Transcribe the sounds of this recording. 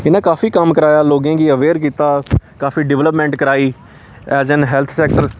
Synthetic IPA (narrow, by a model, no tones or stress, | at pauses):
ɪnãːkaːfiːkəmkəɾaːjaːloːɡẽːɡiːəʋeːɾk̬iːt̪aːkaːfiːɖɪʋləpmɛ̃ːɳʈkəɾaːiː | ɛːzɛnɦɛːlt̪ʰsɛːk̚ʈəɾ